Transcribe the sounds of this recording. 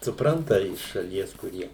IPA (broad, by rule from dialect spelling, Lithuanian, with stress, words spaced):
sʊˈprɐntɐ ɪʃ ʃɐˈlʲiɛs kʊˈrʲiɛ